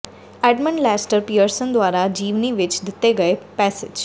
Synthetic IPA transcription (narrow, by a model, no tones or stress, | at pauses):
ɛɖmə̃ɳɖlɛsʈəɾpijəɾsənd̪ʋaɾad͡ʒiːʋniʋɪt͡ʃd̪ɪt̪ːeɡəepɛsed͡ʒ